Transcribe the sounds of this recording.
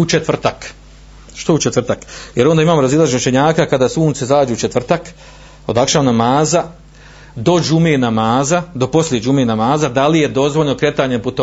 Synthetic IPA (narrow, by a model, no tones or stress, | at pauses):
ut͡ʃet̪ʋr̩t̪ak | ʃt̪out͡ʃet̪ʋr̩t̪akjeɾo̞nd̪aimaːmoɾazilˠaʒeʃeɲaːkakad̪aːsuːnt̪sezaːd͡ʒuut͡ʃet̪ʋr̩t̪ak | o̞̰d̪akʃaːnamaːza | d̪o̞d͡ʒumenamaːzad̪o̞po̞slʲjed͡ʒumenamaːzad̪alije̞d̪o̞zʋo̞ʎno̞kɾe̞t̪aːɲeput̪o